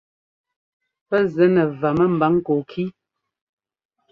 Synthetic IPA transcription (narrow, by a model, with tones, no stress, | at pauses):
pə˦zɛ˨˦nə˨va˨mə˦m̩˨ba˨˦ŋ̩˦ko˨kʰi˦